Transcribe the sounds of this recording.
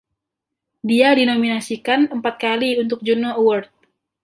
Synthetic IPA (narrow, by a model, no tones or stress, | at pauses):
diadinominasikanəmpat̪̚kaliunt̪ʊk̚d͡ʒunowərt̪̚